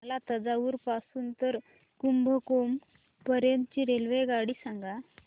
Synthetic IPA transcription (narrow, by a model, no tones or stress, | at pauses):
lat̪ad͡zaʋuːɾpasuːnt̪əɾ | kumbʱəkom | pəɾjənt̪ət͡ɕiɾelʋeɡaɽiːsaŋɡa